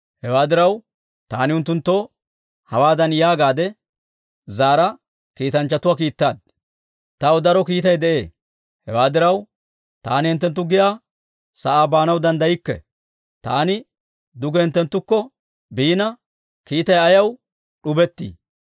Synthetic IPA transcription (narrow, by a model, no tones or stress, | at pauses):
hɛwaːd̪ɪɾɐw | t̪aːnɪʊnt̪ːʊnt̪ːo | hɐwaːd̪ɐnjaːɡaːd̪ɛ | zaːɾɐ | kiːt̪ɐnt͡ʃːɐt̪ʊwaːk̬iːt̪ːaːd̪ | t̪ɐwd̪ɐɾɔkiːt̪ɐjd̪ɛʔeː | hɛwaːd̪ɪɾɐw | t̪aːnɪhɛnt̪ːɛnt̪ːʊɡɪjaː | sɐʔaːbaːnɐwd̪ɐnd̪ɐjɪkːɛ̰ | t̪a̰ːnɪ | d̪ʊɡɛhɛnt̪ːɛnt̪ːʊkːɔ | biːnɐ | kiːt̪ɐjɐjɐw | ɗʊbɛt̪ːḭː